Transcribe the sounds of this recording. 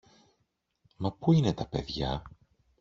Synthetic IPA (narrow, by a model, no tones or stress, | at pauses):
mɐpuine̞t̪ɐpe̞ðʝɐ̰